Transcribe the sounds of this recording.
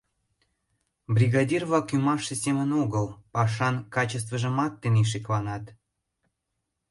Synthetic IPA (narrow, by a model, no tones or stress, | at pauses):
brʲiɣɑd̪ʲirβɑkymɑʃəsemənoɣəlpɑʃ̬ɑnkɑt͡ɕəs̬t̪vəʒə̆mɑt̪ːeneʃ̬iklɑnɑt̪